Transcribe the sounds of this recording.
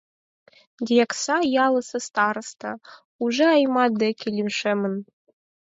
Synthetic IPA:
d̪ʲijɑksɑjɑlˠɤ̆sɤ̆st̪ɑɾɤ̆st̪ɑ | uʒeɑjmɑd̪ĕkʲilʲimʃemɘ̆n

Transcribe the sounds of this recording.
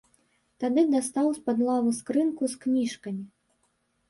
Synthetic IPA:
t̪ad̪ɨd̪ast̪awspad̪lˠavuskɾɨnkusknʲiʂkɐmʲi

